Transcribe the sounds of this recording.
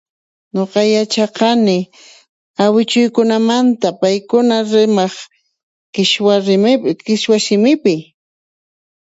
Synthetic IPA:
ɲoqɑjat͡ʃɑqɑnɪ | awɪt͡ʃʊjkʊnamant̪apajkʊnaɾɪmɑχ | kɪʃwaɾɪmɪkɪʃwaʃɪmɪpɪ

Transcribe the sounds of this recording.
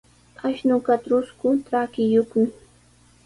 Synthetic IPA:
aʃnʊkatɾʊskʊtɾakɪjoχmɪ

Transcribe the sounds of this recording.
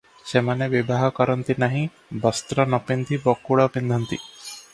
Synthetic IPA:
ʃemɐneʋibʱaɦɐkɔɾɐnt̪inɐɦĩ | bɔst̪ɾɐnɔpind̪ʱibɔkːuɽɐpind̪ʱɐnt̪ḭ

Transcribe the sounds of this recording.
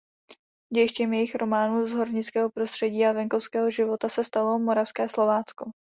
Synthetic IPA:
ɟɛjɪʃcɛmjɛjɪxɾo̞maːnuːzɦo̞ɾɲɪt͡skɛːɦo̞pɾo̞st̪r̝̥ɛɟiːavɛŋko̞fskɛːɦo̞ʒɪvo̞t̪asɛst̪alo̞mo̞ɾafskɛːslo̞vaːt͡sko̞

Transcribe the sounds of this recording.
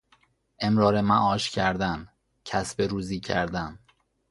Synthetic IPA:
ʔe̞mɾɒːɾemæʔɒːʃcʰæɾd̪æn | cʰæsbe̞ɾuːziːcʰæ̰ɾd̪æn

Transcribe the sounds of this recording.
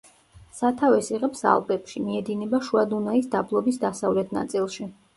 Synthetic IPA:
sat̪ʰavɛsiʁɛpsa̰lˠpʼɛpʃimiɛd̪inɛbaʃuad̪unaisd̪ablˠɔbisd̪asavlɛt̪ʰna̰t̪sʼilˠʃi

